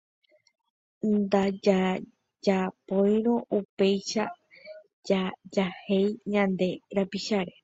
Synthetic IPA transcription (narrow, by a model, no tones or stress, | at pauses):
nd̪ad͡ʒa | d͡ʒapoj̃ɾõ̞ʔupe̞jʃa | d͡ʒad͡ʒahe̞jɲãnd̪e̞ɾapiʃaɾe̞